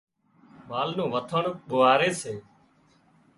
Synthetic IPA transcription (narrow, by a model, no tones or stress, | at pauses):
maːlnũːʋət̪ʰəɳɓʊʋaːɾeːseː